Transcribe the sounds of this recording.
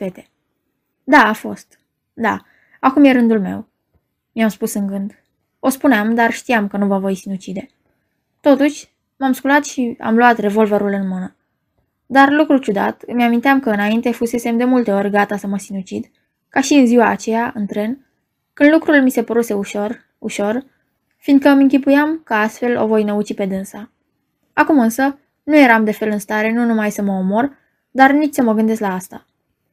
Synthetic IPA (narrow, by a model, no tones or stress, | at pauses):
pe̞t̪e̞ | d̪aːfo̞̰st̪ | d̪a̰ | akumje̞ɾɨnd̪ulme̞̰w | miamspusɨŋɡɨnd̪ | o̞spuneamd̪arʃt̪ijamkənuvəvo̞jsinut͡ʃid̪e̞ | t̪o̞t̪uʃʲ | mamskulat̪ʃia̰mluat̪re̞vo̞lveɾulɨnmɨnə | d̪arlukɾut͡ʃud̪a̰t̪meamint̪eamkəɨnaint̪e̞fuse̞se̞md̪e̞mult̪e̞o̞rʲɡat̪asəməsinut͡ʃid̪ | kaʃiɨnziwaːt͡ʃe̞jaʔɨnt̪ɾe̞n | kɨnd̪lukɾulmise̞pəɾuse̞uʃor | uʃo̞r | find̪̚kəmɨŋkʲipujamkəast̪fe̞lo̞̰vo̞jnəut͡ʃipe̞d̪ɨnsa | akumɨnsə | nuje̞ɾamd̪e̞fe̞lɨnst̪aɾe̞nunumajsəməomo̞r | d̪arnit͡ʃʲsəməɡɨnd̪e̞slaast̪a